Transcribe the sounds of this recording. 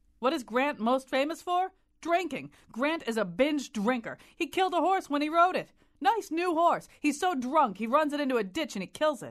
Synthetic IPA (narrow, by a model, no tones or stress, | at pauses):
wʌɾɨzɡɹæ̃nʔmoʊstfẽɪ̃məsfə˞ | d̥ɹɪ̃ŋkɪ̃ŋ | ɡɹæ̃ntɨzəbɪ̃nd͡ʒdɹɪ̃ŋkə̰˞ | hikʰɪlˠd̪̚əɦɔɹswə̃ñiɹoʊɾɪt̚ | naɪsnuɦɔɹshiz̥soʊdɹʌ̃ŋkhiɹʌ̃nzɨɾɪ̃ntuɨdɪt͡ʃɨ̃nikʰɪlˠzɪ̰t̚